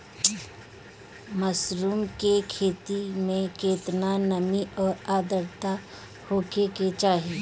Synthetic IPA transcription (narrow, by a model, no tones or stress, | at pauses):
məsɾuːmkekʰeːt̪imẽkeːt̪nanəmiɔːɾaːd̪əɾt̪a | hoːkeket͡ʃaːɦe